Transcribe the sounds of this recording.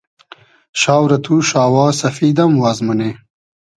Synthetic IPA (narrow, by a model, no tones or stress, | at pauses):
ʃaːwɾɐt̪ʰuːʃaːwɑːsɐfiːd̪ɐmwaːzmɐne